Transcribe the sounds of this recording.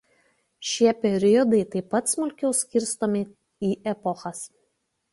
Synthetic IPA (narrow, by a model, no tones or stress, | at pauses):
ʃʲiɛpʲɛɾʲɪjɔd̪ɐɪt̪ɐɪpːɐt̪smʊlʲkʲɛʊsʲkʲɪɾʲst̪oːmʲɪ | iːʔɛpɔxɐs